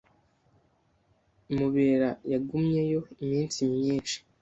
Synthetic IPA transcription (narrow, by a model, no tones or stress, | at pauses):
muβe̞ɾajaɡumɲe̞jo̞imiːnsimɲiːnʃi̥